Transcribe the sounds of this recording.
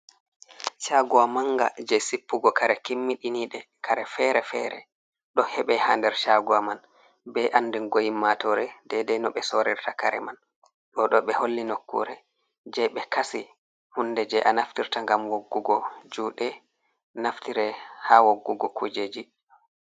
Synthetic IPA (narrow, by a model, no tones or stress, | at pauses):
ʃaɡuwamaŋɡa̰d͡ʒɛsipːuɡɔkaɾɛkimːiɗiniɗɛ | kʰaɾɛfɛɾɛfɛɾɛ̰ | ɗɔhɛɓɛhaːndɛɾʃaɡuwaman | bɛʔanːdɛnɡojimːatɔɾɛdɛdɛnɔɓɛsoɾiɾtakaɾɛ̰man | ɗɔɗɔɓɛholːinokːṵɾɛ | d͡ʒɛɓɛkasi | hundɛd͡ʒɛʔanaftiɾtaŋɡamwoɡːuɡɔd͡ʒuːɗɛ | naftiɾɛhawoɡːuɡɔkʰud͡ʒed͡ʒi